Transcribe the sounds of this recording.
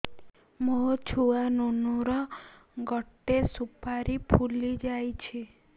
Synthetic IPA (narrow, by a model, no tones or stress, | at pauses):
mot͡ʃʰuanunuɾɔ | ɡɔʈːesupaɾipʰulid͡ʒajt͡ʃʰi